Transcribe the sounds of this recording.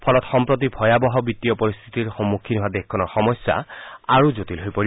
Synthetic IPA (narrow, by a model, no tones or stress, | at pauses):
pʰɔlɔtxɔmpɹot̬ibʰʱɔjabɔɦɔbitːijɔpɔɹist̪ʰi̥tiɹxɔmːukʰːinɦoadekʰkːɔnɔɹxɔmɔjsːa̰aɹuzotilɦojpoɹi